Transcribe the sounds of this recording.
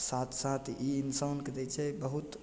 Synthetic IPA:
sat̪ʰsat̪ʰiinsanked͡ʒɛt͡ʃʰɛbəɦut̪

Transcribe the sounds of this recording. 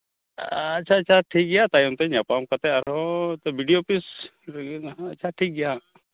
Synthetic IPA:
ɐtːt͡ʃʰaːt͡ʃʰaʈʰiːk̚ɡijat̪ajunt̪eɲapamkɐt̪eɐɾot̪ɔbiɖijopis | ɐtːt͡ʃʰaʈʰiːk̚ɡija

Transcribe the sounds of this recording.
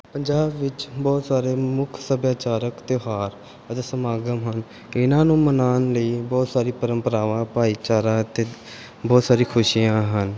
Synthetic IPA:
pəɲd͡ʒaːbʋɪt͡ʃbɔːt̪saːɾeːmʊkʰsəbjaːt͡ʃaːɾəkt̪eɦaːɾ | ət̪eːsəmaːɡəmɦən | ɪnãːnũːmənaːnləiːbɔːt̪saːɾiːpəɾəmpəɾaːʋãːpaːiːt͡ʃaːɾãːt̪eː | bɔːt̪saːɾiːkʰʊʃiːjãːɦən

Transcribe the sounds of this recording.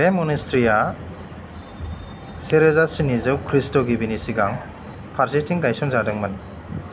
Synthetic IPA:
emɔnistɾija | seɾezasinizɯwkʰɾistɔɡibinisiɡaŋ | pʰaɾsetiŋɡajsɔŋzadɯŋman

